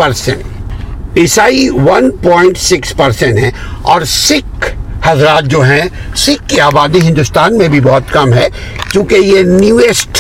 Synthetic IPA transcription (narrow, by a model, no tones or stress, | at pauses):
pɐɾsḛ̃ɳʈ | ɪsaːiʋɐnpɔ̃ːɪ̃ɳʈsɪkspɐɾsẽɳʈɦɛ̃ | ɔːɾsɪkhɐzɾaːt̪̚d͡ʒoːɦɛ̃ | sɪkːeaːbaːd̪iɦɪ̃nd̪ʊst̪aːnmẽbʱibɔːʊt̪kɐmɦɛː | t͡ʃõːkejenjuːeːsʈ